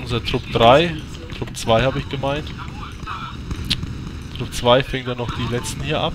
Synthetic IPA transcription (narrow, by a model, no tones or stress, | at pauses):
ʊnzɐtʁ̥ʊpd̥ʁaɪ | tʁ̥ʊp̚t͡sv̥aɪhaːbəɪçɡ̥əmaɪnt | tʁ̥ʊp̚t͡sv̥aɪfɛŋədanɔχd̥iːlɛt͡stn̩hiːɐʔap